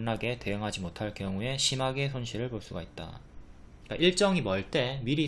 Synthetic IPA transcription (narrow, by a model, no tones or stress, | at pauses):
nːaɡe̞te̞jʌŋɦad͡ʑimotʰaɭkjʌŋue̞ɕʰimaɡe̞s̬ʰonɕʰiɾɯɭpoɭs͈uɡait̚t͈a̰ | k͈aʔiɭt͡ɕ͈ʌŋimʌɭt͈e̞miɾi